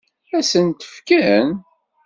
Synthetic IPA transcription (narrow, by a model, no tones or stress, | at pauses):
æsənt̪ə̥fkæn